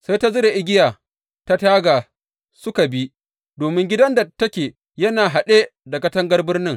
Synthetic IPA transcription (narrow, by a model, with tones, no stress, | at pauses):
sa˦jta˦zʊ˦ɾe˨ʔɪ˦ɡʲɪ˦jaː˨ | ta˦taː˦ɡaː˨ | sʊ˦ka˨bi˦ | doː˨mɪ˦ŋɡʲɪ˦dɐ˦nda˨tɐ˦kʲeː˨ | jɐ˦naː˨ɦa˨ɗeː˦da˨kɐ˦tɐ˦ŋɡɐ˦rbɪ˦rnɪ˦ŋ